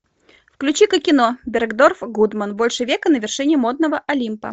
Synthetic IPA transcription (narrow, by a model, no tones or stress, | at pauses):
fklʲʉt͡ɕikəkʲːɪnobʲɪrɡd̪orfɡud̪mənbo̞lʲʂɨvʲekənəvʲɪrʂɨnʲɪmo̞d̪nəvəʔɐlʲimpə̰